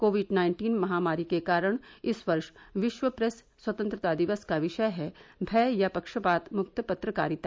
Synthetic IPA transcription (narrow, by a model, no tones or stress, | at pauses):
koːʋɪɖnaːɪ̃ɳʈiːnmɐɦaːmaːɾikekaːɾəɽ̃ɪsʋɐɾʃʋɪʃʋəpɾɛsːwɐt̪ə̃nt̪ɾət̪ad̪ɪʋəskaʋɪʃəjɦɛbʱɛːjapɐkʃəpaːt̪mʊk̚t̪əpɐt̪ɾəka̰ːɾit̪a